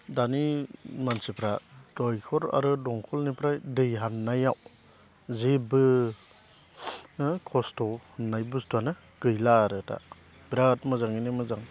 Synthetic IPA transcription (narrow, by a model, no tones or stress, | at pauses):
danimansipʰɾad̥ɔjkʰɔɾa̰ɾɯdɔŋkʰɔlnipʰɾajdɯjɦannajaw | zebɯ | kʰɔstɔnajbɯstʰanɯ | ɡɯjlaːɾɯta̰ | bɾatmɯzaŋinimɯzaŋ